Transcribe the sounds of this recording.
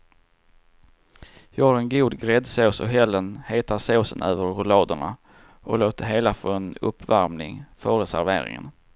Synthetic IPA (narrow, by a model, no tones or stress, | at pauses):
jɑːɡhaɾɛnɡuːd̪ɡɾɛd̪soːsɔ̰ɦɛlːənheːt̪aɾsoːsənøːvəɾːʊlɑːd̪əɳa̰ | ʔɔloːt̪əɾɦeːlafoɛnɵ̰pːvaɾmnɪ̰ŋføːɾəsæ̰ɾvḛːɾɪ̰ŋə̰n